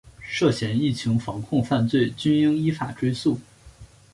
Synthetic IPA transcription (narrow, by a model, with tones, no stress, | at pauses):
ʂɤ˥˩ɕjɛ˧˥ni˥˩t͡ɕʰi˧˥ŋfɑ˧˥ŋkʰʊ˥˧ŋfa˥˧nt͡swe˥˩ɪt͡ɕy˥ni˥ŋi˥fa̰˨˩ʈ͡ʂwe˥ɪsu˥˩